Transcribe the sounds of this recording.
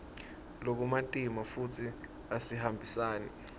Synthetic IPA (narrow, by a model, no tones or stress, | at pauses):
lok̬umatʼimafutʰi | asihambʱisaːnɛ̰